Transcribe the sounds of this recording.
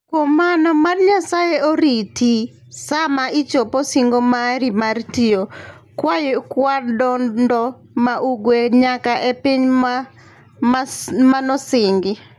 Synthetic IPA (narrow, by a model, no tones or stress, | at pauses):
komanɔmarɲasajeoɾiti | samaʔit͡ʃoposiŋɡomaɾimartio | kwajɪkwadɔnndɔ | maʔuɡweɲakaʔepiɲ | manɔsɪŋɡɪ